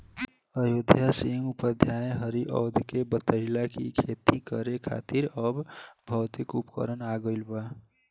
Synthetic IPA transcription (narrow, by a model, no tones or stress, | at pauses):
əjoːd̪ʱjasiŋʊpəd̪ʱjaːeɦəɾiʔɔ̰ːd̪ʱkebət̪əɦɪlakikʰeːt̪ikəɾekʰa̰ːt̪iɾəbbʱɔːt̪ɪkupkə̰ɾənaːɡəlba